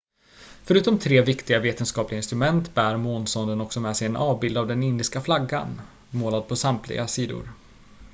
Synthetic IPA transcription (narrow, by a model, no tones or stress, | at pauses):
fœɾʉ̟ːt̪ɔmt̪ʰɾeːvɪkt̪ɪɡaveːt̪ənskɑːplɪɡaɪnst̪ɾɵmɛnt̪bæːɾmoːnsɔnd̪ənɔksɔmɛsɛjɛnʔɑːvbɪld̪avd̪ɛnɪnd̪ɪskaflaɡːa̰n | moːlad̪̚pʰɔsamt̪lɪ̰ɡasiːd̪ʊ̰ɾ